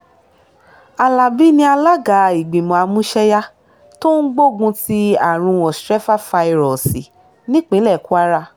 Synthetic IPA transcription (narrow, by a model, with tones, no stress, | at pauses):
a˨la˨bi˦nĩ˧˦a˧la˦ɡa˨i˨ɡ͡bĩ˨mɔ̃˨a˧mũ˦ʃɛ˦ja˦ | to˦n̩˦ɡ͡bo˦˨ɡũ˧ti˦a˨ɾ̃ũ˧wɔ̃˨stɾɛ˦fa˦˨fa˧i˧ɾɔ˨si˨ | nĩ˦k͡pĩ˨˦lɛ˦˨ku˦a˦ɾa˧